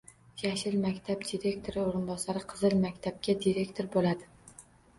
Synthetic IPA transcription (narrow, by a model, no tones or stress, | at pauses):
jaʃɪlmakʲt̪ʰabd̪iɾe̞kʲt̪ʰoɾɪoɾɪnbɒsaɾɪqʰɨzɨlmakʲt̪ʰab̚kʲad̪iɾe̞kʲt̪ʰoɾbolad̪ɪ